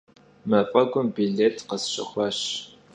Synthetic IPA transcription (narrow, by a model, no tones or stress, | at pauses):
mɐfʼɐɡʷʊmbiɮetʰqəsʃə̰xʷɑʃ